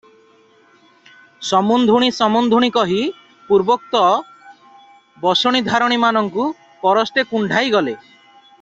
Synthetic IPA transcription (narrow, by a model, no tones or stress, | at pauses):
sɔmund̪ʱuɽ̃isɔmund̪ʱuɽ̃ikɔɦi | puɾbɔk̚t̪ɔ | bɔsɔɽ̃id̪ʱaɾɔɽ̃imanɔŋku | pɔɾɔst̪ekuɳɖʱajɡɔle